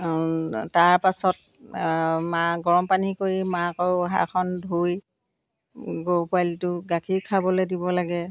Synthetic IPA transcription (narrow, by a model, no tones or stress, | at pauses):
taɹpasɔt̚ | maɡɔɹɔmpanikoɹimakɔwɦa̰kʰɔndʱuj | ɡopaltʊɡakʰikʰabɔledibɔlaɡɛ